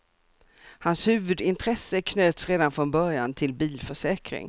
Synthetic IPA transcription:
hanshʉ̟ːvɵd̪ɪnt̪ʰɾɛsːəkʰnøːt̪sɾeːd̪anfɾɔnbœɾjant̪ʰɪlbiːlfœʂɛːkɾɪ̰ŋ

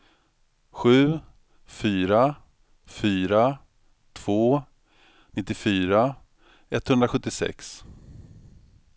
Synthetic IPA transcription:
ɧʉ̟ː | fyːɾa | fyːɾa | t̪ʰv̥oː | nɪt̪ːɪfyːɾa | ɛt̪ːhɵnd̪ɾaɧɵt̪ːɪsɛ̰ks

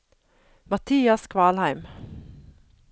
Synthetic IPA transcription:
mɑt̪ʰiːɑskʰʋɑːlhæɪm

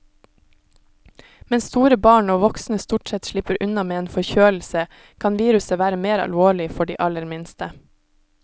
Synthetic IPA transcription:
mɛnst̪uːɾəbɑːɳoːʋɔksnəst̪uːʈsɛt̪ʃɭɪpəɾʔʉnɑmeːeːnfɔçøːl̩sə | kʰɑnʋiːɾʉsəʋæːɾəmeːɾɑ̰lʋoːɭɪfɔɖḭːʔɑləɾmɪnst̪ə

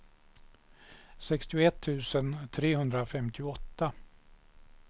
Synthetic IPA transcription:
sɛkst̪ɪʊɛt̪ʰːʉ̟ːsənt̪ʰɾeːhɵnd̪ɾafɛmt̪ʰɪʊɔt̪ːa

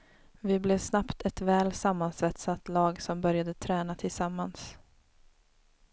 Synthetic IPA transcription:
vɪblɛvsnapt̪ʰɛt̪vɛːlsamːansvɛt̪sat̪lɑːɡsɔmbœɾjad̪ət̪ʰɾɛːnat̪ʰɪlsamːans

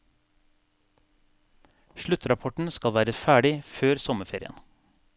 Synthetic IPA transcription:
ʃɭʉt̪ɾɑpʰɔʈɳ̩skɑlʋæːɾəfæːɖɪføːɾsɔməfeːɾɪ̰ə̰n

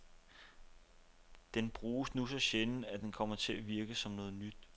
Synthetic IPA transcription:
d̥enb̥ʁuːsnusɒ̽ɕenæd̥enkʰɒ̽m̰ɐt͡sʰe̝æʋiɐɡ̥əsɒ̽mnɔ̽ːð̞̩ˠnyd̥

